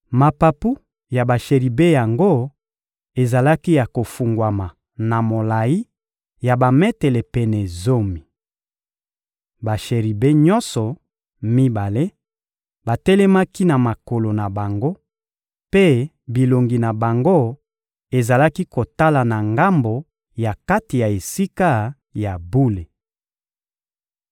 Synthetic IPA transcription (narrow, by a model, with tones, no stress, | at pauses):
ma˨pa˨pu˦ | ja˨ba˨ʃe˨ʁi˨be˦ja˨ŋɡo˦ | e˨za˨la˦ki˦ja˨ko˨fu˨ŋɡwa˨ma˨ | na˨mo˨la˨i˦ | ja˨ba˨mɛ˦tɛ˨lɛ˨pɛ˨nɛ˨zo˦mi˨ | ba˨ʃe˨ʁi˨be˦ɲɔ˦nsɔ˨ | mi˦ba˨le˦ | ba˨tɛ˦lɛ˦ma˦ki˦na˨ma˨ko˨lo˨na˨ba˨ŋɡo˦ | pe˦ | bi˨lo˨ŋɡi˨na˨ba˨ŋɡo˦ | e˨za˨la˦ki˦ko˨ta˦la˨na˨ŋɡa˦mbo˨ | ja˨ka˦ti˨ja˨e˨si˦ka˦ | ja˨bu˦le˨